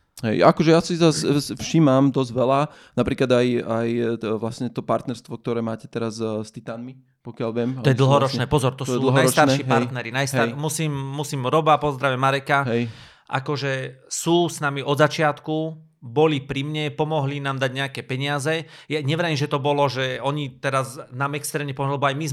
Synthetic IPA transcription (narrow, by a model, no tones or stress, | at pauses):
ɦɛ̰jakɔʒɛjasizassfʃimamd̪ɔzɟʋɛla | napɾiːklad̪ajajʋlasɲɛt̪ɔpaɾt̪nɛɾst̪ʋɔk̚t̪ɔɾɛːmaːcɛ̥t̪ɛɾazst̪it̪aːnmi | pɔkɪalʋɪɛmaɔjɛd̪l̩ɦɔɾɔt͡ʃnɛːpɔzɔɾt̪ɔsuːl̩ɦ̪ajɾst̪aɾʃiɦpajɾt̪nɛɾinajsaɾmusiːmːusiːmɾɔbapɔzd̪ɾaʋɛmaɾɛkaɦɛj | ʔa̰kɔʒɛsuːsnamiʔɔd̪zat͡ʃɪat̪ku | bɔlipɾimɲɛpɔmɔɦlinaːmd̪aɟɲɛakɛːpɛɲɪazɛjaɲɛʋɾaimʒɛt̪ɔbɔlɔʒɛɔɲit̪ɛɾaznaːmɛkst̪ɾɛːmɲɛpɔmɔɦlɛbɔajmiz